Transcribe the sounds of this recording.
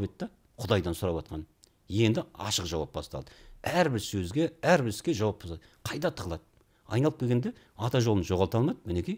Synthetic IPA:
bet̪d̪ɑ | qʰʊd̪ɑjd̪ɑnsʊɾɑpɑt̪qɑn | je̞nd̪ɪɑ̰ʃəqʒɑwɑ̰p̚bɑ̰st̪ɑ̰lˠd̪əæɾbɪɾsɵzɡʲe̞æɾbɪɾɪskʲe̞ʒɑwɑp̚boɑd̪ | qʰɑjd̪ɑt̪ʰəʁəlˠɑd̪ə | ɑ̰jnɑlˠəpkʲʰeɡʲend̪e̞ | ɑt̪ɑʒo̞lˠənʒo̞ʁɑlˠt̪ɑlˠmɑd̪əmɪnekʲij

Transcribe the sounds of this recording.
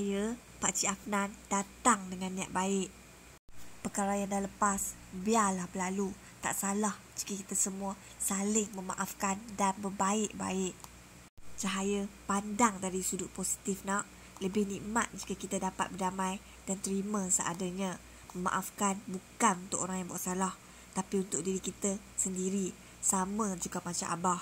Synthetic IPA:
jə | paʔsiafnand̥at̪aŋdəŋanːiaʔ̚baɪʔ | pərkaɾajaŋdaləpas | bialahbəlalu | t̪a̰ʔsalah | d͡ʒi̥kəkit̪asəmuə | salɪŋməmaʔafkandanbərbaɪʔba̰ɪʔ | t͡ʃaɦajəpandaŋdaɾisudʊʔ̚posi̥t̪ifnaʔ | ləbɪhnĩʔmat̪̚d͡ʒikəkit̪ədapat̪̚bərdamãj | d̥ant̪əɾimə̃səʔadaɲã | məma̰ʔafkanbukanunt̪ʊkoɾaŋjaŋbuaʔsalah | t̪apiunt̪ʊʔ̚diɾikit̪ə | səndiɾi | samə̃d͡ʒuɡamat͡ʃaa̰bah

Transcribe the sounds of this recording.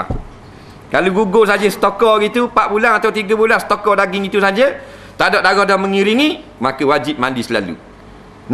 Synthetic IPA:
kaluɡuɡosad͡ʒəsə̥t̪okɔɡit̪upaʔ̚bulanat̪awt̪iɡəbulansə̥t̪okɔdaɡiŋit̪usad͡ʒə | t̪adɔʔdaɡɔhdahməŋiɾiŋimakəwad͡ʒip̚mandisəla̰lṵ | n

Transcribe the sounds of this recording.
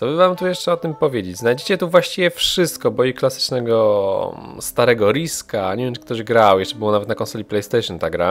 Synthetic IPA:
t̪ɔbɘvamt̪ujɛʂt͡ʂɛɔt̪ɘmpɔvʲjed͡ʑed͡ʑznajd͡ʑet͡ɕɛt̪uvwaɕt͡ɕivʲjɛfʂɘst̪̚kɔbɔjiklasɘ̥t͡ʂnɛɡɔ | st̪aɾɛɡɔɾiskaɲevʲɛmt͡ʂɨ̥k̚t̪ɔʑɡɾawjɛʂt͡ʂɛbɘwɔnavɛt̪nakɔ̃nsɔlʲiplɛjst̪ɛʂjɔnt̪aɡɾa

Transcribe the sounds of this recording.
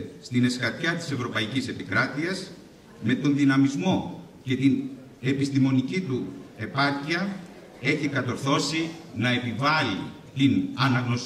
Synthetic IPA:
st̪ine̞skɐt̪çɐt̪i̥se̞vɾo̞pɐicise̞pikɾɐt̪iɐs | me̞t̪o̞nðinɐmizmo̞ | ce̞t̪in | e̞pist̪imo̞nicit̪ue̞pɐɾciɐ | e̞çikɐt̪o̞ɾθo̞sinɐe̞pivɐli | t̪inɐnɐɣno̞s

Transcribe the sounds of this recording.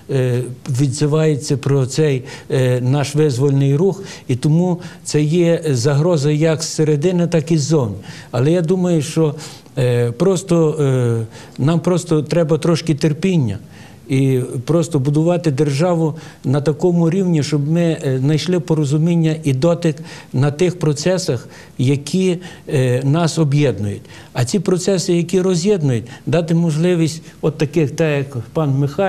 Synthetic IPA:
ʋʲid̪zɪʋɑjet͡sʲːɐpɾɔt̪sɛjnɑʃʋɪzʋɔlʲnɪjruxit̪ɔmut̪sɛjɛzɐɦɾɔzɐjɐksːeɾed̪ɪnɪt̪ɑkizːɔwnʲ | ɐlˠɛjad̪umɐjʊʃt͡ʃɔ | pɾɔst̪ɔ | nɑmpɾɔst̪ɔt̪ɾɛbɐt̪ɾɔʃkɪt̪erpʲinʲːɐ | ipɾɔst̪ɔbʊd̪ʊʋɑt̪ɪd̪erʒɑʋʊ | nɐt̪ɐkɔmʊɾʲiwnʲiʃt͡ʃɔbmɪnɐjʃlˠɪpɔɾɔzʊmʲinʲːɐʔid̪ɔt̪ɪknɐt̪ɪxpɾɔt̪sɛsɐx | jɐkʲʰi | nɑsɔbjɛd̪nʊjʊt̪ʲ | ɐt͡sʲipɾɔt̪sɛsɪjɐkʲiɾɔzʲjɛd̪nʊjʊt̚ʲd̪ɑt̪ɪmɔʒlˠɪʋʲisʲtʲɔt̪ːɐkɪxt̪ɛjɐkpɑnmɪxɑ

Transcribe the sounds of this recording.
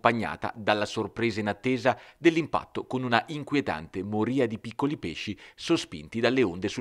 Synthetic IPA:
paɲːa̰ːt̪a̰d̪alːasorpɾeːzainat̪ːeːzad̪elːimpa̰t̪ːokonunaʔiŋkwiet̪a̰nt̪emoɾiːad̪ipikːolipeʃːisospḭnt̪id̪alːeond̪esu

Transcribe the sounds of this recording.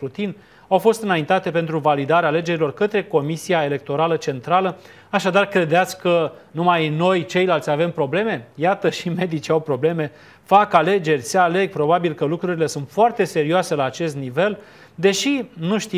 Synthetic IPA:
ɾut̪in | awfo̞st̪ɨnaint̪at̪e̞pe̞nt̪ɾuvalid̪aɾeaːle̞d͡ʒe̞ɾilo̞rkət̪ɾe̞ko̞misiae̞le̞k̚t̪o̞ɾalət͡ʃe̞nt̪ɾalə | aʃad̪arkɾe̞d̪eat̪sʲkə | numajno̞jt͡ʃe̞jlalt̪sʲave̞mpɾo̞ble̞me̞jat̪əʃime̞d̪it͡ʃiawpɾo̞ble̞me̞ | fakale̞d͡ʒe̞rʲseale̞ɡ̚pɾo̞babilkəlukɾuɾile̞sunt̪foart̪e̞se̞ɾioase̞laːt͡ʃe̞st̪nive̞l | d̪e̞ʃinuʃt̪i

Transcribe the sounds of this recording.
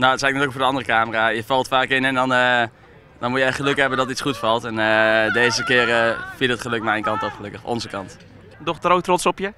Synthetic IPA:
noətsɛjknɛtyːəkfoɹdəɑndərəkaːmərajəfɑlˠtfaːkɪnɛndɔnə | dɔnmujəɛtχəløkɦɛbəndɔtitsχutfɑlˠtɛnədeːzəkɪːərəfilˠətχəløkmɛjnkɑntɔfχəlɵkəχʔɔ̰nzəkɑnt | dɔχtrowtrɔtsɔpjə

